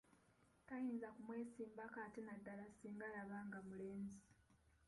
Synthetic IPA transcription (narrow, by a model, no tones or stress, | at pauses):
tajiːnzakumwe̞ːsiːmbakatenadːalasiːŋɡalaβaːŋɡamule̞ːnzi